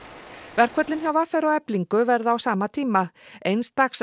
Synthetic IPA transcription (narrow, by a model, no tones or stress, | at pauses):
vɛɾ̥kʰvœt̪lɪnçjawvafɛɾawɛpliŋkʏvɛɾðaawsaːmat̪ʰiːmaejnst̪axs